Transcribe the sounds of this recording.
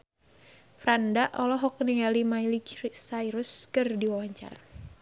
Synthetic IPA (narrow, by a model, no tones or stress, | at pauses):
fɾandaʔɔlɔɦɔkniŋalimailiksaiɾʊskɨrdiwawaɲt͡ʃa̰r